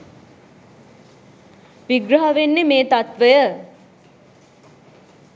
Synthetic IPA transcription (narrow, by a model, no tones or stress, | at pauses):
ʋiɡɾɐɦəʋenːemeːt̪at̪ʋəjə